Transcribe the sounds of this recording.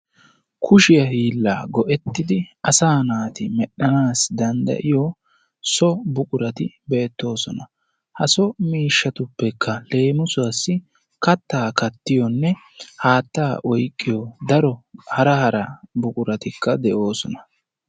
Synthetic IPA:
kʰʊʃɪjɐhiːlːa̰ːɡɔʔɛt̪ːɪd̪ɪɐsaːnaːt̪ɪmɛɗːɐnaːsd̪ɐnd̪ɐ̰ʔɪjɔ | sɔbʊkʼʊɾɐt̪ɪbeːt̪ːo̞ːsɔnɐ | hɐsɔmiːʃːɐt̪ʊpːɛkʰːɐle̞ːmʊsʊasːɪ | kɐt̪ːaːkɐt̪ːɪjɔnːɛ | haːt̪ːaːʔɔjkʼːɪjɔd̪ɐɾɔhɐɾɐhɐɾɐbʊkʼʊɾɐt̪ɪkːɐd̪ɛʔo̞ːsɔnɐ̥

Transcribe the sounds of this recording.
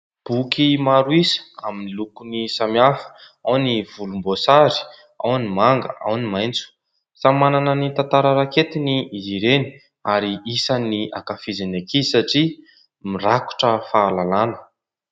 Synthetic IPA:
b̥ukimaɾuisə̥aminilukunisamafə̥ | awniv̥ulumbosaɾi̥ | a̰wnimaŋɡə̰a̰wnimajnt͡su̥ | samananənit̪ant̪aɾəɾaket̪iniːziɾeni̥ | aɾiisania̰kafizinakʰisaʈ͡ʂi | miraku̥ʈ͡ʂəfaːlalanə̥

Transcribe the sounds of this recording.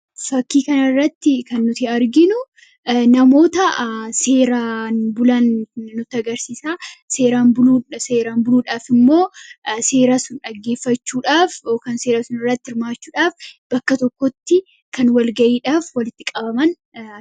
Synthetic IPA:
fɐkːiːkɐnɐrːɐt̪ːɪkɐnːʊt̪ɪɐɾɡɪnʊ | nɐmo̞ːt̪ɐse̞ːɾaːnbʊlɐnːʊt̪ːɪɐɡɐɾsiːsaːse̞ːɾaːnbʊluːseːɾaːnbʊluːᶑaːfɪmːo̞ːse̞ːɾasʊnᶑɐɡːe̞ːfːɐt͡ʃːuːᶑaːfokɐnseːɾɐsʊnɪrːɐt̪ːɪɾmaːt͡ʃːuːᶑaːfb̥ɐkːɐt̪ɔkːɔt̪ːɪ | kɐnwɐlɡɐʔiːᶑaːfwɐlɪt̪ːɪkʼɐbɐmɐn

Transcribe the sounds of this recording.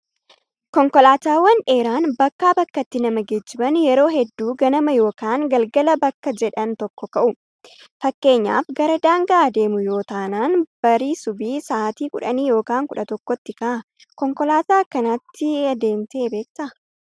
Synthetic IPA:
kɔŋkɔlaːt̪aːwɐnᶑe̞ːɾaːnbɐkːaːbɐkːɐt̪ːɪnɐmɐɡed͡ʒːɪbɐnjɛɾo̞ːɦɛd̪ːuːɡɐnɐmɐjo̞ːkaːŋɡɐlɡɐlɐbɐkːɐd͡ʒɛᶑɐnt̪ɔkːɔkɐʔʊ | fɐkːe̞ːɲːa̰ːfɡɐɾɐd̪aːŋɡɐad̪e̞ːmʊjo̞ːt̪aːnaːnb̥ɐɾiːsʊbiːsaːt̪iːkʊ̰ᶑɐniːjo̞ːkaːŋkʊᶑɐt̪ɔkːɔt̪ːɪkɐʔɐ | kɔŋkɔlaːt̪aːkːɐnat̪ʰːɪɐd̪e̞ːnt̪ɐːbe̞ːk̚t̪ɐ

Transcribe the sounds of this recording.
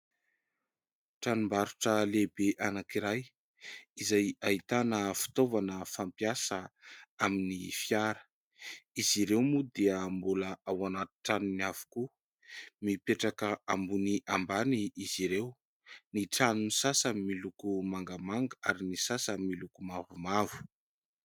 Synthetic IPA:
ʈ͡ʂanumbaɾuʈ͡ʂəlebeʔanakiɾaj | izajait̪anəfi̥t̪ovanəfampjasəaminifiaɾə̥ | iziɾewmud̪eəmbuləawanat̪u̥ʈ͡ʂanniav̥u̥ku | mipeʈ͡ʂakəambuniʔambaniiz̥iɾew | niʈ͡ʂanunisasəmilukumaŋɡəmaŋɡaaɾinisasəmilukumavumavu̥

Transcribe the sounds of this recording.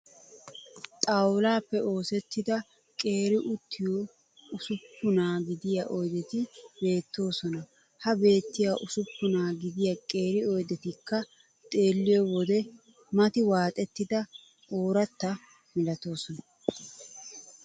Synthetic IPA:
t̪ʼawʊlaːpːɛo̞ːsɛt̪ːɪd̪ɐ | kʼe̞ːɾɪʔʊt̪ʰːɪjo | ʊsʊpːʊnaːɡɪd̪ɪjaʔɔjd̪ɛt̪ɪbe̞ːt̪ːo̞ːsɔnɐ | hɐbe̞ːt̪ːɪjaʔʊsʊpːʊnaːɡɪd̪ɪjakʼe̞ːɾɪɔjd̪ɛt̪ɪkːɐ | t̪ʼe̞ːlːɪjɔwɔd̪ɛ | mɐt̪ɪwaːt̪ʼɛt̪ːɪd̪ɐ | ʔo̞ːɾɐt̪ːɐ | mɪlɐt̪o̞ːsɔnɐ

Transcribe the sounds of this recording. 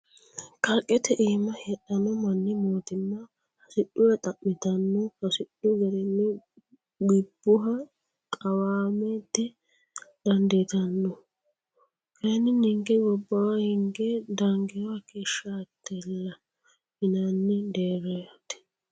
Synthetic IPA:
kɐɾkʼːɛt̪ɛʔiːmɐhɛɗɐnɔmɐnːɪmoːt̪ɪnːɐ | hɐsɪɗʊwɛt̪ʼɐʔːɪt̪ɐnːɔhɐsɪɗʊɡɐɾɛnːɪ | ɡɪbːʊɦɐ | kʼɐwaːmɛt̪ːɛ | d̪̥ɐnd̪ɛt̪ɐnːɔ | kɐnɪnɪŋɡɛɡɔbːɐwɐhɪŋɡɛd̪ɐŋɡɪwakeːʃːɐɐt̪ʰːɛlːɐ | ɪnanːɪd̪eːɾɐjɐt̪ɛ̥

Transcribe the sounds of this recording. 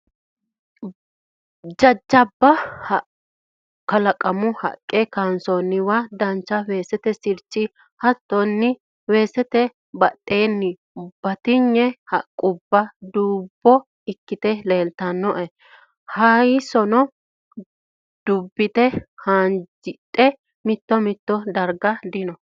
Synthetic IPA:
d͡ʒɐd͡ʒːɐbːɐh | kɐlɐkʼɐmʊhɐ̰kʼːɛkaːnsɔnːɪwad̪ɐnt͡ʃːɐwe̞ːsɛt̪ɛsɪɾt͡ʃːɪ | hɐt̪ːɔnːɪ | we̞ːsɛt̪ɛ | bɐtʼːe̞ːnːɪ | b̥ɐt̪ɪɲːɛhɐ̰kʼːʊbːɐd̪uːbːɔ | ɪkːɪt̪ɛle̞ːlt̪ɐnːɔʔɛ | hɐjsɔnɔ | d̪̥ʊbːɪt̪ɛhaːnd͡ʒɪtʼːɛ | mɪt̪ːɔmɪt̪ːɔd̪ɐɾɡɐd̪ɪnɔ

